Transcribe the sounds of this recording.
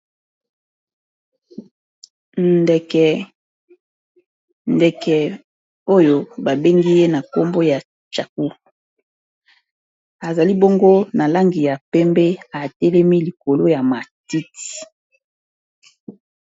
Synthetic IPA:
ndɛ˨kɛ˨ | ndɛ˨kɛ˨ | o˦jo˦ba˨be˦ŋɡi˦je˦na˨ko˦mbo˦ja˨ | t͡ʃa˨k̚u˦ | a˨za˨li˦bo˦ŋɡo˦na˨la˦ŋɡi˨ja˨pɛ˦mbɛ˦a˨tɛ˦lɛ˦mi˦li˨ko˨lo˦ja˨ma˨ti˦ti˨

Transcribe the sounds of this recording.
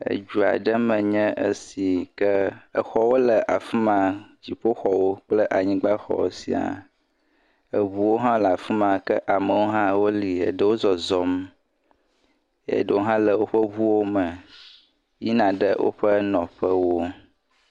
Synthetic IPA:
ə̰˨d͡ʒu˨a̰˨ɖə˦mə̃˨ɲɛ̃˦ʔə˦si˨kə˦ə˨xɔ˦wo˦lə˨ʔa˨fi˦mã˨d͡ʑi˨ɸo˦xɔ˨wo˦k͡plə˦ʔa˨ɲĩ˦ɡ͡ba˦xɔ̰˦˨wo̰˦si˨a̰˨ | ə˨βu˦wo˦ɦã˦la˨fi˦mã˨kə˦ʔa˨mə̃˨wo˦ɦã˦wo˦li˨ə˨ɖə˦wo˦zɔ˨zɔ˦m | ḛ˦˨ɖə˨wo˦ɦã˦lə˨wo˦ɸə˦βu˦wo˦mə˨ | ji˦nã˨ɖə˦wʔo̰˦ɸə˦nɔ̃˨ɸə˦wo˦

